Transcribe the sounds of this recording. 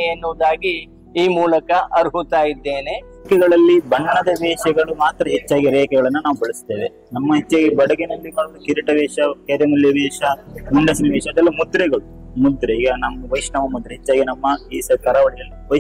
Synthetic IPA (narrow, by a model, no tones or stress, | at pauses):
jenːuːd̪aːɡi | iːmuːlɐkɐʔɐɾuɦut̪aːjid̪ːe̞ːne | kɛɡɐɭɐlːibɐɳːɐɳɐd̪ɐʋɛːʃɐɡɐɭumaːt̪ɾɐɦet͡ʃːaːɡiɾɛːkɛɡɐɭɐnːunaːʋubɐɭɐst̪eːʋe | nɐmːɐɦet͡ʃːaːɡibɐɽɐɡenɐlːimɐːɭlukiɾiʈɐʋɛːʂɐkeːɾɐmuljɐʋɛːʃɐmuɳɖɐsɐniʋɛːʃɐɐd̪ɛlːɐmud̪ɾɛɡɐɭu | mud̪ɾɛiːɡɐnɐmːɐʋɐjʂnɐmɐmud̪ɾeɦet͡ʃːaːɡinɐmːɐiːsɐkɐɾɐʋɐɽijɐlːiʋɐ